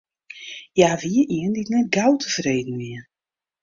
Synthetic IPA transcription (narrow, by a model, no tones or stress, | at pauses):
jaːʋiəʔiənditnɛt̚ɡawtʰəfreːdn̩ʋiə